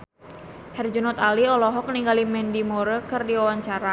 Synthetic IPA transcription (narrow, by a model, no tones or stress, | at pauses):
hɛrd͡ʒunɔt̪aliɔlɔɦɔk̚niŋɡalimɛndimoɾəkɨrdiawaɲt͡ʃaɾa